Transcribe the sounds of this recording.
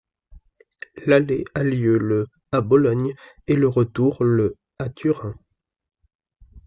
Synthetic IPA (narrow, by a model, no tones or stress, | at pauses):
lalealjølə | abɔlɔɲ | eləʁət̪uʁlə | at̪ʰyʁɛ̃